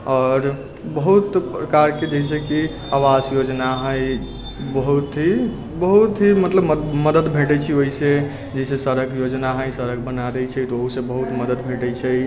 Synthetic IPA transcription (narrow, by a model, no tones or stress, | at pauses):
ɔːɾ | bəɦut̪pɾəkaɾked͡ʒəɦis̬eki | awasjod͡ʒnaɦəj | bəɦut̪ɦi | bəɦut̪ɦimət̪ləbməməd̪əd̪bʱeʈɛt͡ʃʰioɦise | d͡ʒɛisesəɾəkjod͡ʒnaɦəjsəɾəkbənaɾəjt͡ʃʰət̪ɔoɦusebəɦut̪məd̪əd̪bʱeʈɛt͡ʃʰəj